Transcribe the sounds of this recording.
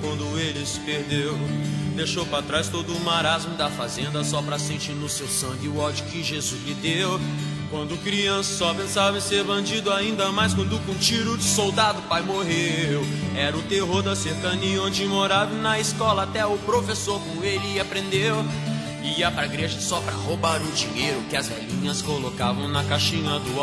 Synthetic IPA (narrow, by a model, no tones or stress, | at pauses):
kwɐ̃nd̪ʊelɪsɪ̥peɾd̪ewd̪ejʃowpɾat̪ɾajst̪od̪ʊːmaɾazmʊd̪ɐfazẽnd̪ɐsɔpɾɐsẽnt͡ʃiɾnʊsewsɐ̃ŋɡɪʊɔd͡ʒʊkɪʒezuzlɪd̪ew | kwɐ̃nd̪ʊkɾiɐ̃sʊsɔpẽsavẽseɾbɐ̃d͡ʒid̪ʊaĩnd̪ɐmajskwɐ̃nd̪ʊʊkõt͡ʃiɾʊd͡ʒɪsowd̪ad̪ʊpajmoɦewɛɾɐʊt̪eɦoɾd̪ɐseɾkɐniõd͡ʒɪmoɾad̪ʊnɐɪskɔlɐat̪ɛʊpɾofesoɾkõelɪapɾẽnd̪ew | iiɐpɾɐɡɾeʒɐsɔpɾɐ̰hobaɾʊd͡ʒĩɲejɾʊkɪɐzvɛ̰lĩɲɐskolokavɐ̃w̃nɐkaʃĩɲɐd̪ʊ